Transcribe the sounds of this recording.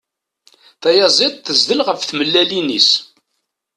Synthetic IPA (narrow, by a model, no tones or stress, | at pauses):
θæjɑzˤed̪ˤθəzðəlʁəfθməlːælinḭs